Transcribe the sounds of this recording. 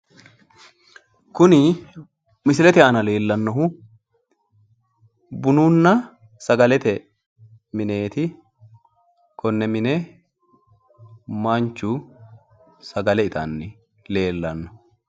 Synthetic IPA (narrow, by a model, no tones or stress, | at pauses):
kʊnɪ | mɪsɪlɛt̪ɛɐnɐle̞ːlːɐnːɔɦʊ | bʊnuːnːɐ | sɐɡɐlɛt̪ɛ | mɪne̞ːt̪ɪ | kʰɔnːɛmɪnɛ | mant͡ʃːʊ | sɐɡɐlɛɪt̪ʰɐ̰nːɪ | le̞ːlːɐnːɔ̥